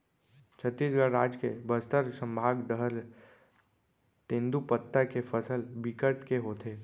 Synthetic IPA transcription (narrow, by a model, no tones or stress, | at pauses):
t͡ʃʰət̪ːiːsɡəɾaːd͡ʒkebəst̪əɾsə̃mbʱaːɡɖəɦɾ | t̪ẽnd̪upət̪ːakefəsəlbikəʈkeɦoːt̪ʰeː